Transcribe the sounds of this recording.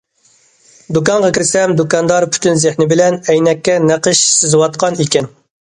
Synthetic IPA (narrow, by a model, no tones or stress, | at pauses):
d̪ukɑɴʁɑkʲɪɾsɛmd̪ukɑnd̪ɑɾpʰy̥t̪ynzɪhnɪbɪlɛnɛjnɛkʲːɛnæqəʃsɪzɪwɑt̪̚qʰɑnikʲɛn